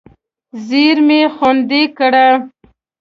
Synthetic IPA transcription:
ziɾmexond̪ekəɽa

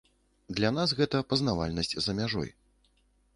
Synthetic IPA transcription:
d̪lʲan̪as̬ɣɛt̪ɐpɐznava̰lʲnɐsʲt͡sʲzɐmʲaʐɔ̰j

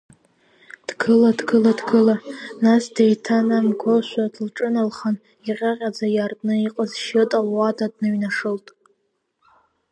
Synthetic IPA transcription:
d̥ɡʰɨladɡʰɨladɡʰɨlanasdejtʰanamɡʷʰoʃʷadlʈ͡ʂʼɨnalχan | iqʲʼaqʲʼad͡zajartʼnɨiqʼəzʃɪtʼalwadadʼnɨɥnaʂɨltʼ

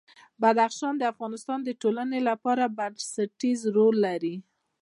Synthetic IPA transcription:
bad̪axʃɑnd̪əafɣɑnɪst̪ɑnd̪əʈolanelapɑɾabansaʈizɾolːaɾi

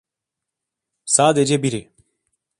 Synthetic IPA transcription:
saːd̪ed͡ʒɛbiɾi

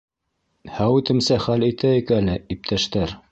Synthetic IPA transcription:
hæwʉt̪ɘ̆msæχælit̪æɘkælɘip̚t̪ʰæʃt̪æɾ

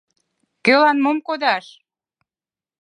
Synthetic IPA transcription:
kølɑnmomkod̪ɑʃ

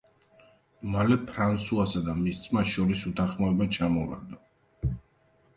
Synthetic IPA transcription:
malɛpʰɾansuasad̪amist̪sʼmasʃɔɾisut̪ʰaχmɔɛbat͡ʃʰamɔva̰ɾd̪a

